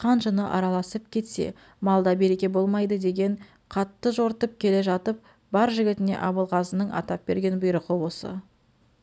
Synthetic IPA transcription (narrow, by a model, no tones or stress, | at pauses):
qʰɑnʒənəʔɑɾɑlˠɑsəp̚kʲʰe̞t̪se̞̰ | mɑlˠd̪ɑbe̞ɾe̞kʲe̞bo̞lˠmɑjd̪əd̪e̞ɡʲe̞ɴ | qʰɑt̪ːəʒo̞ɾt̪əp̚kʲʰe̞le̞ʒɑt̪əp̚ | bɑɾʒɪɡʲɪt̪ɪne̞̰ʔɑbəlˠʁɑzənəɴɑ̰t̪ɑp̚be̞̰ɾɡʲe̞nbʊjɾəqəwo̞sə̰